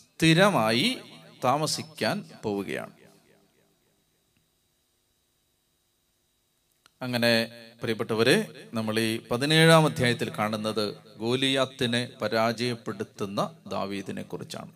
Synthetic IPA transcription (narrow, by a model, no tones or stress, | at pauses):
t̪iɾɐmaːjit̪aːmɐsikʲːaːnpo̞ːwuɣɐ̰ja̰ːɳɨ | ɐŋːɐne̞pɐrijbɐʈːɐʋɐɾenɐmːɐɭipɐðine̞ːɻaːmɐd̪ʱjaːjɐt̪ːilkaːɳunːɐðɨɡo̞ːlijaːt̪ːinepɐɾaːd͡ʑɐjɐpːe̞ɽut̪ːunːɐd̪a̰ːʋiːðine̞̰kːurit͡ɕːa̰ːɳɨ